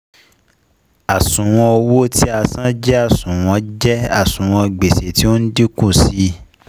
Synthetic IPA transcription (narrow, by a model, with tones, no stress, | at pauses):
a˨sũ˨w̃ɔ̃˧ɔ˧wo˦ti˦a˧sã˦d͡ʒɛ˦a˦˨sũ˨w̃ɔ̃˧d͡ʒɛ˦a˦˨sũ˨w̃ɔ̃˧ɡ͡be˨se˨ti˦o˦n̩˦di˦kũ˦˨si˨˦